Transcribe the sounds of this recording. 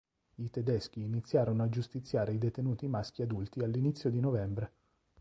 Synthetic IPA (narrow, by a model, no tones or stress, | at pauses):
it̪ed̪ɛsk̟iːnit̪sːjaːɾonoad͡ʒust̪it̪sːjaːɾeid̪et̪enuːt̪imask̟iad̪ult̪ialːinit̪sːjod̪inovɛmbɾe